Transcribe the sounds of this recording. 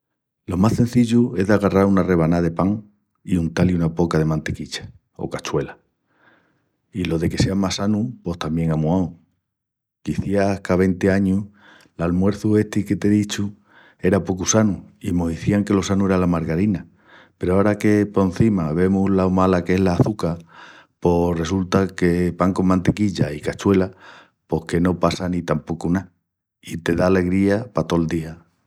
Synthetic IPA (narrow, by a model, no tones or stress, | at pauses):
lo̞masθe̞n̟θiʎue̞zðeaɣaraɾunare̞βanaðe̞paŋ | iunt̪aliunapo̞kað̞e̞mãnt̪e̞kit͡ʃḁ | o̰kat͡ʃwe̞la | ilo̞ðe̞ke̞se̞amasanupo̞st̪ambje̞ŋamuaw | kiθjakaβ̞e̞nt̪eaɲu | lalmwe̞ɾθue̞ht̪iket̪e̞ðit͡ʃu | e̞ɾapo̞kusanuimoɦðiθiaŋke̞lo̞sanue̞ɾalamaɾɣaɾina | pe̞ɾoaɾake̞po̞nθimaβe̞mulaomalakee̞ɦlaːθuka | po̞re̞s̬ult̪ake̞βaŋko̞mmãnt̪e̞kiʎaikat͡ʃwe̞la | po̞hke̞no̞pasanit̪ampo̞kuna | it̪e̞ðaːle̞ɣɾiapat̪o̞ld̪ia